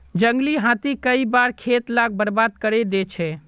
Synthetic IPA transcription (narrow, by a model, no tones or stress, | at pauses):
d͡ʒəŋɡliɦãt̪ikəibaɾkʰet̪laɡ̚bəɾbad̪kəɾɛd̪ɛt͡ʃʰɛ